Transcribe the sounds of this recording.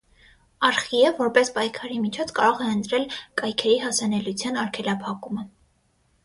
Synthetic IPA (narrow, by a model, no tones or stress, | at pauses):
ɑɾχiəvɔɾpɛspɑjkʰɑɾimit͡ʃʰɔt͡sʰkɑɾɔʁɛənt̪ɾɛlkɑjkʰɛɾiɦɑsɑnɛlut͡sʰjɑnɑɾkʰɛlɑpʰɑkumə